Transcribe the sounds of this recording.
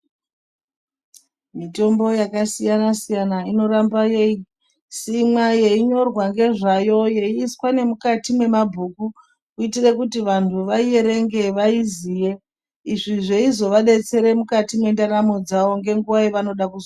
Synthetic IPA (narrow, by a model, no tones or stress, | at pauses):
mito̞mbo̞jakasijanasijanaino̞ɾambajei | simwaje̞iɲo̞rwaŋɡe̞ʐajo̞je̞iːswane̞mukatimwe̞mabʱuːku | kuitire̞kutiʋantʰuʋaieɾe̞ŋɡe̞ʋaizije̞ | iʐiʐe̞izo̞ʋaɗe̞t͡se̞ɾe̞mukatimwe̞ndaɾamo̞d͡zaʋo̞ŋɡe̞ŋɡuʋaeʋano̞ɗakuz